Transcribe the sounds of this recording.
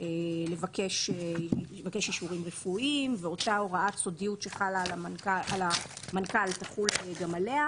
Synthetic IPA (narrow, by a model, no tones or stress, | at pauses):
elevake̞ʃeevake̞ʃjiʃuʁimʁefuimveo̞taoʁaatso̞dijutʃeχalalamankaʔalamankaltaχuleɡamalea